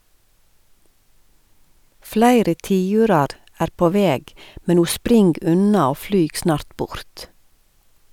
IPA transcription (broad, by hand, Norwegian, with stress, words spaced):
ˈflæɪɾə ˈtiːʉːɾɑɾ ˈæːɾ ˈpoː ˈʋeːɡ ˈmɛn ˈuː ˈspɾɪŋɡ ˈʉnɑ ˈoː ˈflyːɡ ˈsnɑːɾt ˈbʊɾt